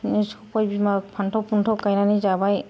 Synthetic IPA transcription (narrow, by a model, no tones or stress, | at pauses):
nisɔpʰɔjbimapʰantʰɔpuntʰɔkajnanizabaj